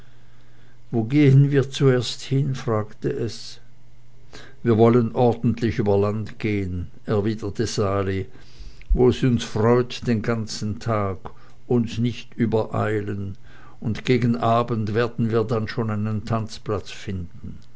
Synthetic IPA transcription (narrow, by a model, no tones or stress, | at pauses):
voːɡeːənviːɐt͡sueːɐsthɪnfʁ̥aːktəʔɛs | viːɐvɔlənʔɔɐdn̩tʰlɪçyːbɐlantɡ̥eːən | ɛɐviːdɐtʰəzaːli | voːɛsʊnsfʁ̥ɔʏtd̥eːnɡant͡sn̩tʰaːɡ | ʊnsnɪçtyːbɐʔa̰ɪlən | ʊntɡ̥eːɡn̩ʔaːbəntv̥eːɐdn̩viːɐdanʃoːnaɪnəntʰant͡splat͡sfɪndn̩